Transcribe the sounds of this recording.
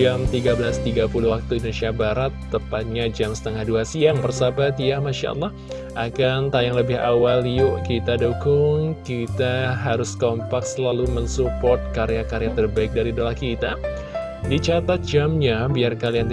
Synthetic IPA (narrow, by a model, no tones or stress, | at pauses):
amt̪iɡabəlast̪iɡapuluwak̚t̪uindonesiabaɾat̪ːəpat̪̚ɲad͡ʒamsə̥t̪əŋahduasiaŋbərsabat̪jamaʃa̰ʔɑ̰lˠːɑh | ʔakant̪ajaŋləbɪha̰waljʊʔkit̪adukʊŋkit̪aɦaɾʊskɔmpak̚səlalumənsupɔrt̪̚kaɾeakaɾejat̪ərbaɪk̚daɾidolahkit̪a | dit͡ʃat̪at̪̚d͡ʒamɲabiarkaliand